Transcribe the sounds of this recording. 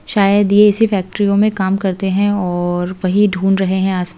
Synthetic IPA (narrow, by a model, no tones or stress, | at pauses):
ʃaːjəd̪jeɪsifɛːk̚ʈɾijõmẽkaːmkɐɾt̪eɦɛ̃ɔːɾʋɐɦiɖʱuːnɾɐɦeɦɛ̃aːs